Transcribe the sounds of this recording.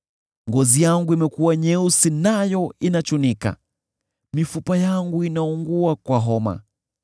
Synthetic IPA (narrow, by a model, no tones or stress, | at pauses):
ŋɡɔzijaŋɡuimɛkuwaɲɛusinajɔinat͡ʃunika̰ | mifupajaŋɡuinauŋɡuakwaɦɔma̰